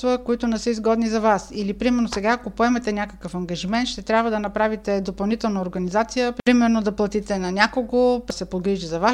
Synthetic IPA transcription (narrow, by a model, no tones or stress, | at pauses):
t̪vəkoit̪onɛsɤizɡɔd̪nizɐvasilipɾimɛɾnosɛɡaɐkopoɛmɛt̪ɛnʲakəkəfɐŋɡɐʒimɛnt̪ʃt̪ɛt̪ɾʲabvəd̪ɐnɐpɾavit̪ɛd̪opɐlˠnit̪ɛlˠnəoɾɡɐnizat̪sijəpɾimɛɾnod̪ɐplˠɐt̪it̪ɛnɐnʲjakoɡopsɛpoɡɾiʒizɐva